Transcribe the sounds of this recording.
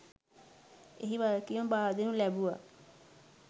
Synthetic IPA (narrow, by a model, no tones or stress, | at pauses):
ḛɦiːbaːɾekɪjõːbaːɾd̪eːnũːlɛːbuːa̰ː